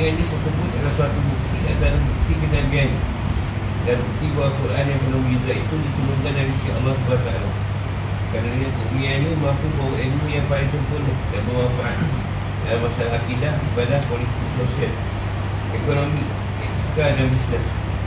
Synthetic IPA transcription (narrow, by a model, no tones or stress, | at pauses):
anisəsəbʊt̪̚kalasəat̪ubuk̚t̪ia̰t̪alabuk̚t̪ikəd̪anbiani | danbuk̚t̪ibaakuɾʔanjaŋpəlaŋbizaip̪undit̪uluŋkandaɾisiaɑ̰lːɔhsəbaat̪a̰a̰la | kadanakuʔmiaɲumapubawaʔenujaŋpaliŋsəmpʊnəhdaʔbəwafaʔan | dalamasalaakidahibadahkolit̪iksosial | ɛkonomik | ɛt̪ikadanbisnəs